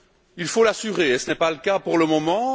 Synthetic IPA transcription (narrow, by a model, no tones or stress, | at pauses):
ilfolasyʁesənɛpaləkapuʁləmɔmɑ̃